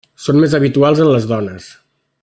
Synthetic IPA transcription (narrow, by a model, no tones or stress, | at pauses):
sonmezəβ̞it̪ualˠzənləzðɔnəs